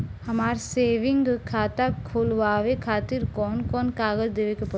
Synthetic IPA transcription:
hɐmaːɾseːʋɪ̃ŋɡkʰaːt̪akʰoːlʋaːʋekʰaːt̪ɪɾkɔːnkɔːnkaːɡəld̪eːʋekepə

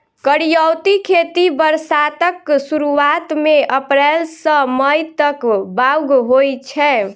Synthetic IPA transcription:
kəɽijəwt̪ikʰet̪ibəɾsat̪əksuɾuat̪meʔəpɾɛlsə̃məjt̪əkbawɡɦojt͡ʃʰɛ

